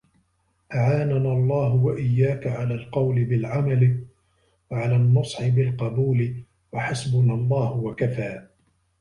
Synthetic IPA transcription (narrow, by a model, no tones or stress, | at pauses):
ʔaʕaːnanalˤːɑːɦʊwaʔɪjːaːkaʕalaːlqɑwlɪbɪlʕamalɪ | waʕalaːnːɑsˤħɪbɪlqɑbuːlɪ | waħasbʊnalˤːɑːhʊwakafaː